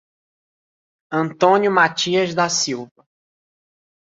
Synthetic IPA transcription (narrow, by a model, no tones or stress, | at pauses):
ɐ̃nt̪õnjʊmat͡ʃiɐzd̪asiwvɐ